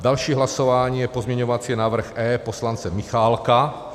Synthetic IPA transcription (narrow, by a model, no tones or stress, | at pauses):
d̪alʃiːɦlasɔʋaɲijɛpɔzmɲɛɲɔʋat͡sɪɛnaːʋr̩ɣɛːpɔslant͡sɛmixaːlka